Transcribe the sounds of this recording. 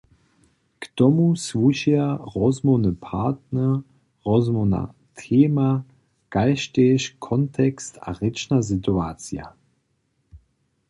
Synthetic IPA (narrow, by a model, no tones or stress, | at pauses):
kt̪ɔmusvuʃiaʁɔzmɔwnəpʰaːtnɛʁ | ʁɔzmɔna̰ | t̪ʰeːma | kajʃtɛʃkʰɔnt̪ʰɛkst̪a̰ʁɪt͡ʃnas̬it̪uaːt͡sija̰